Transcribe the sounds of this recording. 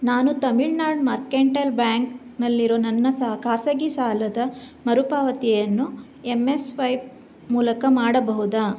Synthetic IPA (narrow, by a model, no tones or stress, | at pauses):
naːnut̪ɐmiɭnaːɾɖmaɾkeːɳʈɐlbjaːŋk | nɐlːiɾo̞ːnɐnːɐsɐɦɐkaːsɐɡisaːlɐd̪ɐmɐɾupaːʋɐt̪ijɐnːu | emːesʋɐjb | muːlɐkɐmaːɽɐbɐɦud̪aː